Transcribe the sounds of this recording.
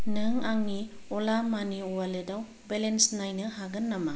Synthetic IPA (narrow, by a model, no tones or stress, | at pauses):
nɯŋaŋniɔlamaniɔwaledaw | belensnajnɯhaɡɯnːama